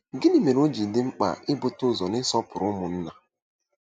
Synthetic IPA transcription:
ɡɪ˦ni˨me˨ɾo˦d͡ʒi˨dɪ˦ŋ͡m̩˦k͡pa̰˨ɪ˦bʊ˨tʊ˦˨zɔ˨nɪ˦sɔ˦pʊ˨ɾʊ˦mʊ˨n̩˦na˨

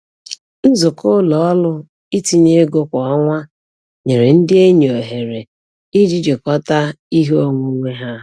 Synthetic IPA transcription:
n̩˦zʊ˨kʊ˦lɔ˨ɔ˦lʊ˦ | i˦ti˨ɲe˦ɡo˦kʷɔ˨a˦ŋʷa˦ | ɲe˨ɾe˨n̩˦dɪ˦e˦ɲ˨o˨ɦe˨ɾe˨ | i˦d͡ʒi˦d͡ʒe˨kɔ˦ta˦i˦ɦo˦˨ŋʷu˦ŋʷe˦ɦa˦

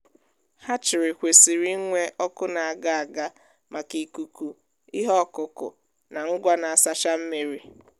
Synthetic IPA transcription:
ha˦t͡ʃɪ˨ɾɪ˨kʷe˨si˨ɾi˦ŋʷe˦ʔɔ˦kʊ˦na˨a˨ɡa˨a˨ɡa˦ | ma˨ki˨ku˨ku˦ | i˦ɦɔ˦˨kʊ˨kʊ̰˨ | na˨ŋ̩˦ɡʷa˦na˨a˨sa˦ʃa˦m̩˦me˨ɾi˨

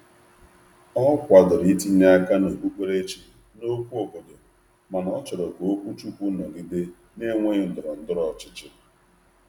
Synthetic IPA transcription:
ɔ˦kʷa˨dʊ˨ɾi˨˦ti˦ɲe˦a˦ka˦no˨bu˦k͡pe˦ɾe˦t͡ʃi˨ | no˦kʷu˦o˨bo˨do˨ | ma˨n˨ɔ˦t͡ʃɔ˨ɾɔ˨ko˨o˦kʷu˦t͡ʃu˦kʷu˦nɔ˨ɡi˦de˦ | ne˦ŋʷe˦ɲɪ˨n̩˦dʊ˨ɾɔ˨n̩˦dʊ˦ɾɔ˨t͡ʃɪ̥˦t͡ʃɪ˦

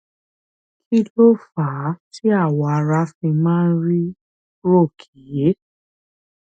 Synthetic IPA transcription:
kʰi˦lo˦fa˨˦ti˦a˦˨wa˨˧ɾa˧˦fĩ˧mãː˦ɾi˦ | ɾo˦˨kʰi˨je˨˦

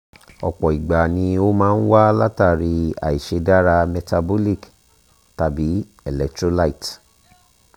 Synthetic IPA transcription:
ɔ˨k͡pɔ˨i˨ɡ͡ba˨nĩ˧o˦mãː˦n̩˦wa˦la˦ta˦˨ɾi˧a̰˨i˨ʃe˨˧da˦ɾa˧mɛ˧ta˧bo˦li˦˨k | ta˧bi˨˦ | ɛ˨lɛ˨ktɾo˦la˦i˨t

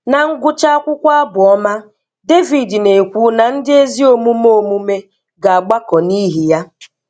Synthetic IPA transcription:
na˨ŋ̩˦ɡʊ˦t͡ʃa˦a˦kʷʊ˦kʷa˦a˦bʊ˨ɔ˦ma˦ | de˦vi˨dne˨kʷu˨˦na˨n̩˦dɪ˦e˦zi˦o˦mu˦m˦o˦mu˦me˦ | ɡa˨a˨ɡ͡ba˦kɔ˨ni˦ɦi˨ja˦

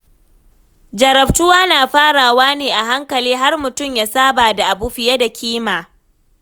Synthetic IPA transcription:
d͡ʒɐ˨ɾɐ˨ɸtʊ˦waː˦naː˨ɸaː˦ɽaː˨waː˦neː˨ʔa˨ɦa˦ŋkɐ˨liː˦ɦa˦rmʊ˨tʊ˦˨mjaː˦saː˦baː˨da˨ʔa˨bu˦ɸɪ˨ja˦da˨kʲiː˦maː˨

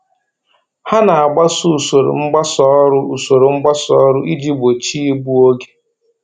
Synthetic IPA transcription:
ha˦na˨a˨ɡ͡ba˦su˦˨so˨ɾʊ̰˨ŋ͡m̩˦ɡ͡ba˦sɔ˦ɾʊ˦u˨so˨ɾo˨ŋ͡m̩˦ɡ͡ba˦sɔ̰˦ɾʊ˦ʔi˦d͡ʒi˦ɡ͡bo˨t͡ʃi˦i˦ɡ͡bu˦o˦ɡe̥˦

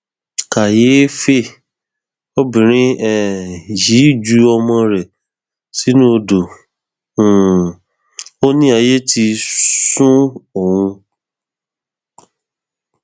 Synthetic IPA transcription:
ka˨je˨˦fe˦˨ | o˦bĩ˨ɾ̃ĩ˦ɛ˦˨ji˨˦˨d͡ʒu˧˦ɔ˧mɔ̃˧ɾɛ˨ | si˨˦nũ˦o˧dõ˨ | o˦nĩ˦a˧je˦ti˧sũ˦o˨hũ˧

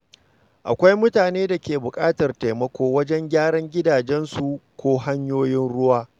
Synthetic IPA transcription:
ʔa̰˨kʷa˦jmʊ˦taː˨neː˦da˨kʲʰeː˨bʊ˨kʼaː˦tɐ˨rta˨jmɐ˦kʷoː˦wɐ˦d͡ʒɛ˦ŋɡʲaː˦ɽɐ˦ŋɡʲɪ˦daː˨d͡ʒɛ˦nsu˨kʷoː˦ɦa˦ɲjoː˦jɪ˦nɽʊ˦waː˦

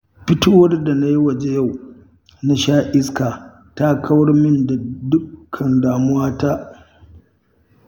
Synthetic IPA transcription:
ɸɪ˦toː˦wɐ˦rda˨na˦ji˦wɐ˨d͡ʒe˦ja˦˨w | na˦ʃaː˦ʔɪ˦skaː˨ | ta˦kʰɐ˦wɐ˦ɽmɪ˦nda˨dʊ˦kkʰːɐ˨ndaː˨mʊ˦waː˦ta˦ʔ

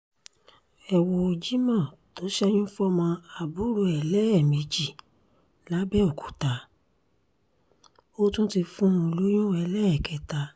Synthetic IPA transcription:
ɛ˨wɔ˧o˧d͡ʒi˦mã˦˨ | to˨˦ʃɛ˦ñĩ˦fɔ˦mɔ̃˧a˨bu˨˦ɾo˧˦ɛ˨lɛ˦ɛ˦˨mĩ˨˧d͡ʒi˨ | la˨˦bɛ˦o˨kʰu̥˨ta˨˦ | o˦tũ˦ti˧fũ˦ũ˧lu˦j̃ɔ̃˦ɛ˧lɛ˦ɛ˦˨kɛ˨˦ta˨˧

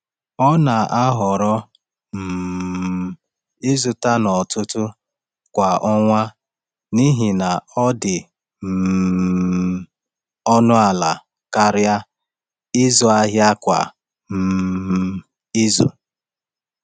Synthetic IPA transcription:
ɔ˦na˨a˦ɦɔ˨ɾɔ˦ | m̩˨ | i˦zu˨ta˦nɔ˨tʊ˦tʊ˦ | kʷa˨ʔɔ˦ŋʷa˦ | ni˦ɦi˨na˨ɔ˦dɪ˨ | m̩˨˦ | ɔ˦nʊ˦a˨la˨ | ka˦ɾja˦ | ɪ˦zɔ˨a˦ɦja˦kʷa̰˨ | m̩˨˦ | i˦zṵ˨

